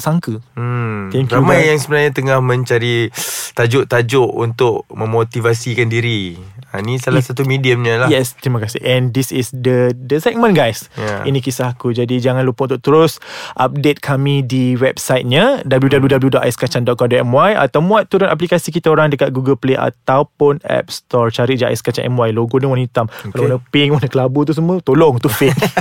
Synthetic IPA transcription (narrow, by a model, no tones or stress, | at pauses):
saŋkə | t̪iŋkɾamajjaŋsəbənaɲat̪əŋahmə̃ɲt͡ʃaɾit̪ad͡ʒʊʔt̪ad͡ʒʊʔunt̪ʊk̚mə̃mot̪ivasikandiɾia̰nisalasat̪umidiəmɲəlajɛst̪ɾimakasɪhɛ̃ndisisdədəsɛk̚mə̃nɡajsja̰inĩkisahakud͡ʒadid͡ʒaŋãnlupaʔunt̪ʊʔ̚t̪əɾʊsʔap̚det̪̚kʰamĩdiwɛp̚sajt̪̚ɲadabəljudabəljudabəljudɔʔ̪̚ajskat͡ʃandɔt̪̚kɔmdɔʔ̪ɛmwaja̰t̪awmuat̪ːuɾʊnap̬likasikit̪aoɾaŋdəkat̪̚ɡuɡəlpleʔa̰t̪awpʊnɛ̰p̚st̪ɔɹt͡ʃaɾiʔd͡ʒaa̰jskat͡ʃanʔɛ̰mwajloɡodəŋwanĩt̪amkkalawnəpɪŋwanəkəlabut̪̬us̬əmuət̪olɔŋt̪ufɪk